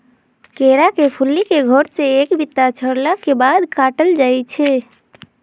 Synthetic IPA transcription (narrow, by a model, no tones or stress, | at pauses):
keɾakepʰulːikeɡʱoɾseekbʱit̪ːat͡ʃʰəɾlakebad̪kaʈəld͡ʒaːjt͡ʃʰɛ